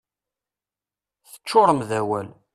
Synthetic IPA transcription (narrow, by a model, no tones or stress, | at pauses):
θə̥t͡ʃːʊɾˤəmðæwæl